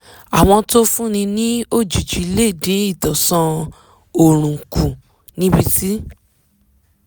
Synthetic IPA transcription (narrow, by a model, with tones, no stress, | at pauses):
a˨w̃ɔ̃˧to˦fũ˦nĩ˧nĩ˦o˦˨d͡ʒu˨d͡ʒi˨˧le˦˨dĩ˨˦i˦˨tɔ˨sã˧ | o˨ɾ̃ũ˨ku˨ | nĩ˦bi˧˦ti˦